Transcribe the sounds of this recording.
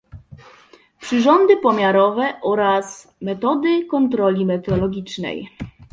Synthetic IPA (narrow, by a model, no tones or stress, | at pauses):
pʂɘʐɔnd̪ɘpɔmʲjaɾɔvɛʔɔɾas | mɛt̪ɔd̪ɘkɔnt̪ɾɔlʲimɛt̪ɛɔlɔɡʲit͡ʂnɛ̰j